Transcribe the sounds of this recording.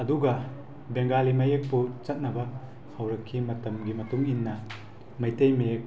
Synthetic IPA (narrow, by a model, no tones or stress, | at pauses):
ɐduɡɐ | beŋɡalimɐjek̚put͡ʃɐt̚nɐbɐ | hɐwɾɐkʰːimɐtɐmɡimɐtuŋinːɐ | mɐjtejmejek̚